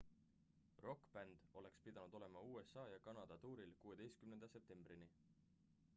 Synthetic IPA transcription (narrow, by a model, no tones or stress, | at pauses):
ro̞kːbænd̪̥o̞le̞kspid̪̥ɑnud̪̥o̞le̞mɑuːe̞sːɑːjɑkɑnɑd̪̥ɑt̪uːɾilkuːe̞d̪e̞jst̪̚kymnend̪̥ɑse̞p̚t̪e̞mb̥rini